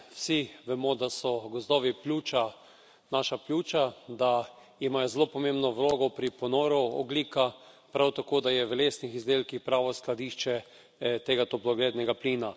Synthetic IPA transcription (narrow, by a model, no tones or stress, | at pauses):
wsiʋɛmɔd̪asɔɡɔzd̪ɔːʋiplʲuːt͡ʃa | naʃaplʲuːt͡ʃad̪a | imajɔzlopɔmẽmbnɔʋloːɡɔpɾipɔnoːɾɔɔ̰ɡliːka | pɾawt̪akoːd̪ajɛʋɛleːsnixizd̪eːlkixpɾaːʋɔsklad̪iːʃt͡ʃɛ | t̪eːɡat̪oplɔɡled̪nɛɡapliːna